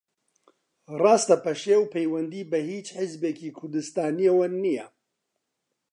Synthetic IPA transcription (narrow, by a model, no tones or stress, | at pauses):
rɑːst̪ɐpʰɐʃewpʰɛjwɐnd̪iːbɐhiːt͡ʃħɪzbekiːkʰʊɾd̪ɨst̪aːnijɛwɐnːijɛ